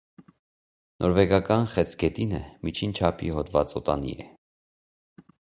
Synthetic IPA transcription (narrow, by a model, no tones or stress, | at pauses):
nʔɔɾvɛɡɑkɑnχɛt͡sʰɡɛt̪inɛmit͡ʃʰint͡ʃʰɑpʰiɦɔt̪vɑt͡sɔt̪ɑnḭɛ